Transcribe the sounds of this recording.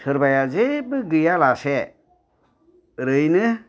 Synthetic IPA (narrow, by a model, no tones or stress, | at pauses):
sɯɾbajazebɯɡɯjalase | ɾɯjnɯ